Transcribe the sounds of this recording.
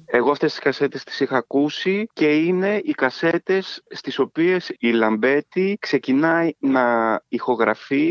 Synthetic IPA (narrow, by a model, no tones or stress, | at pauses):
e̞ɣo̞ɐft̪est̪i̥skɐse̞t̪e̞st̪i̥sixɐːkusice̞ine̞ikɐse̞t̪e̞sːt̪iso̞pie̞silɐmbe̞t̪ikse̞cinɐjnɐixo̞ɣɾɐfi